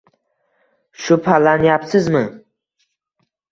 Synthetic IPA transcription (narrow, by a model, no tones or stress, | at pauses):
ʃʊpʰalanjapsɪzmɪ